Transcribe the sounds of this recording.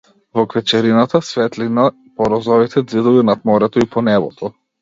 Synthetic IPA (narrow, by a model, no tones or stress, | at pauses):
vɔkvɛt͡ʃɛɾinat̪asvɛt̪lina | pɔɾɔzɔvit̪ʰɛd̪zid̪ɔvinat̪mɔɾɛt̪ɔipʰɔnɛbɔ̰t̪ʰɔ